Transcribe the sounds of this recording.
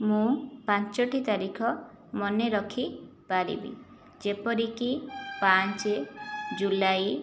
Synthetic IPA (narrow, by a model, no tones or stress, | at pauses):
mũpãɲt͡ʃɔʈʰit̪aɾikʰɔ | mɔneɾɔkʰipaɾḭbḭ | d͡ʒepɔɾikipant͡ʃed͡ʒulaj